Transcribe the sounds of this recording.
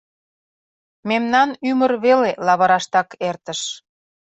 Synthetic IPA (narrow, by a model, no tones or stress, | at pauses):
memnɑnymərβelelɑβɤɾɑʃt̪ɑkert̪ə̆ʃ